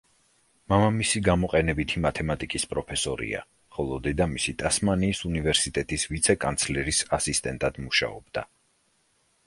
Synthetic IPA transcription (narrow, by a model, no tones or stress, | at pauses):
mamamisiɡamɔqʼɛnɛbit̪ʰimat̪ʰɛmat̪ʼikʼispʼɾɔpʰɛsɔɾḭa̰ | χɔlˠɔd̪ɛd̪amisit̪ʼasmaniːsunivɛɾsit̪ʼɛt̪ʼisvit̪sʰɛkʼant̪sʰlɛɾisasist̪ʼɛnt̪ʼad̪̥muʃa̰ɔb̚d̪̥a